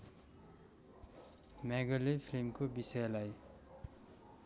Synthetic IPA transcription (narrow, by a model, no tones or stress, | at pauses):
mɛɡʌlepʰilimkobisʌjlaj